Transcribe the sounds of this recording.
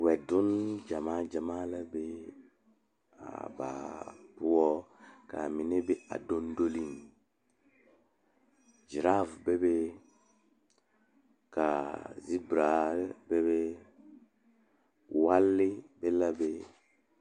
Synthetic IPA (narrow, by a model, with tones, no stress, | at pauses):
wɛ˨dʊ˦nd͡ʒa˨maː˦d͡ʒa˨maː˦la˦be˦ | a̰˨ba̰ː˨bʊ˦ɔ˦ka̰˨mɪ˨nɛ˦bɛ˦a̰˨do˦ndo˦li˦n | d͡ʒi˨ɾa˦vbɛ˦be˦ | ka˨zi˦bɾa˨bɛ˦βɛ˦ | wa˦lːɪ˦bɛ˦la˦be˦